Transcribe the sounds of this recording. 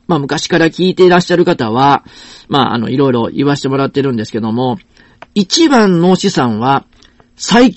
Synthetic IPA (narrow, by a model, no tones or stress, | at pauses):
maːmɯ̟kaɕi̥kaɾakʲiːt̪e̞ɾaɕːaɾɯ̟kat̪aβama̰ːa̰no̞̰iɾo̞iɾo̞ʔḭβaɕ̬i̥t̪e̞mo̞ɾat̪ːe̞ɾɯ̟̃nd̪e̞sɨ̥ke̞d̪o̞mo̞ | it͡ɕibãnːo̞ɕisãɰ̃βa | sai